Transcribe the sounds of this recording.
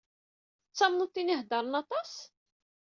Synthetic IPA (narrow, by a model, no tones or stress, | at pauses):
t͡sːɑmnut̪ːiniɦd̪ɑɾˤənɑt̪ˤɑs